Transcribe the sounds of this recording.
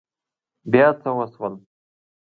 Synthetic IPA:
bjat͡sʰawaswan

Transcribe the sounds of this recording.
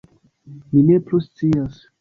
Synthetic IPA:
mineplust͡sias

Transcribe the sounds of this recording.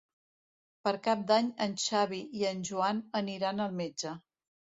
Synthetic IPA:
pəɾkap̚d̪aɲənʲʃaβ̞iiənʲʒuanəniɾanəlˠmed͡ʒə

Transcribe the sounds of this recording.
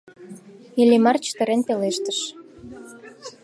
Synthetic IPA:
ilʲimɑrt͡ɕə̥t̪ə̆ɾenpeleʃt̪əʃ

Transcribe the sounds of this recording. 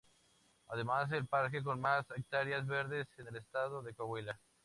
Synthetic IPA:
að̞e̞mase̞lpaɾke̞k̬o̞nmasek̚t̪aɾjazβe̞ɾðe̞sene̞lest̪aðoðe̞koβwela

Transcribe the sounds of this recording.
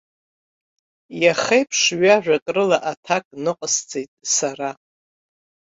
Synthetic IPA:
jaχejpʰʂɥaʒᶣʷakʼrɨlaʔatʰakʼnɨqʼst͡sʰʼejtʼsaɾa

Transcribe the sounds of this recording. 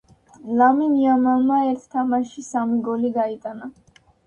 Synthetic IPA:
laminiamalmaɛɾt̪ʰt̪ʰamaʃisamiɡɔliɡait̪ʼana

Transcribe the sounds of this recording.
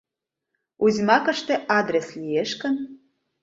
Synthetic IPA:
uzʲmɑkə̆ʃt̪ĕʔɑd̪ɾeslieʃkə̆n

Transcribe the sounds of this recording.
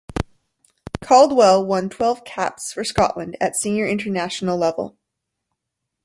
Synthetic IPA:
kʰɑlˠd̚wɛlˠwʌ̃ntʰw̥ɛlˠv̥kʰæ̰psfə˞skɑ̰ʔlə̃ndɨtsĩnjə˞ɪ̃ntə˞næʃn̩l̩ˠlɛvl̩ˠ

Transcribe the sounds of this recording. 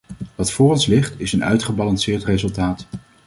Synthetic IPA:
ʋɑtfʊːrɔnslɪχtɪsənœ̰ɥtχəbɑlɑnsɪːɹtrezɵlˠtaːt

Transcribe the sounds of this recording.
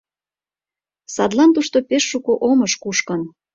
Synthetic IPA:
sɑd̪lɑnt̪uʃt̪opeʃːukoʔomɤʃkuʃkən

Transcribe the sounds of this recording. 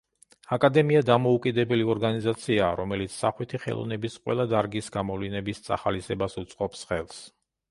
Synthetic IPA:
akʼad̪ɛmiad̪amɔukʼid̪ɛbɛliɔɾɡanizat̪sʰiaːɾɔmɛlit̪sʰsaχwit̪ʰiχɛ̰lˠɔ̰nɛbisqʼwɛ̰lˠad̪aɾɡisɡamɔvlinɛbist̪sʼa̰χalisɛbasut̪sʼqʼɔpsχɛlˠs

